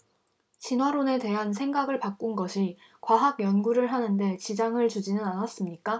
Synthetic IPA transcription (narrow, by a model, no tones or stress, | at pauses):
t͡ɕinɦwaɾone̞te̞ɦans̬ʰe̞ŋɡaɡɯɭpak͈unɡʌɕʰi | kwaɦaɡjʌnɡuɾɯɭɦanɯnde̞t͡ɕid͡ʑaŋɯɭt͡ɕud͡ʑinɯnanas͈ɯmɲik͈a